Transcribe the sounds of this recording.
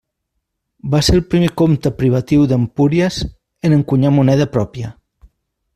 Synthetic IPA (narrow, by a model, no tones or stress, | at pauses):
baselˠpɾimekomt̪əpɾiβ̞ət̪iwðəmpuɾjəz | ənəŋkuɲamunɛð̞əpɾɔpjə